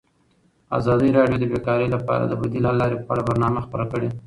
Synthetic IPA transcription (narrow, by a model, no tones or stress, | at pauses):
a̰zɑd̪əjɾɑɖjod̪əbekɑɾəjlapɑ̰ɾa̰d̪əbad̪ilɑlɑɾeppa̰ɽabaɾnɑmaxpəɾakəɽe